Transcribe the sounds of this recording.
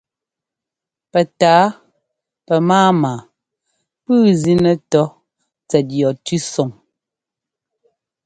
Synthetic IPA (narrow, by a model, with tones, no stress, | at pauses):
pɛ˨taː˨˦ | pɛ˨maː˦maː˨ | pɨː˦zi˦nə˨tɔ˦ | t͡sɛ˨t̚jɔ˨tʉ˦sɔ˨ŋ